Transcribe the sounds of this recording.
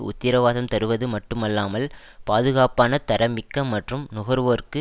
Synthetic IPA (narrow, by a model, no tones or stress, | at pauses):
ʊ̰t̪ːɪɾɐʋaːðɐmt̪ɐɾɯʋɐðɯmɐʈːɯmɐlːaːmɐl | paːðɯɣaːpaːnɐt̪ɐɾɐmɪkːɐmːɐʈrɯmnʊɣɐɾʋoːɾkɯ